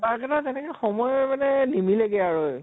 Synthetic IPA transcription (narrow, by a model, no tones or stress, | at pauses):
bakatazɛnɛkɛxɔmɔjmanɛnimileɡɛaɹoj